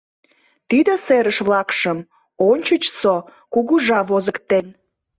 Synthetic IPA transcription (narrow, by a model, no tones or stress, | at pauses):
t̪id̪əseɾəʃβlɑkʃəm | onʲt͡ɕət͡ɕso | kuɣuʒɑβozəkt̪en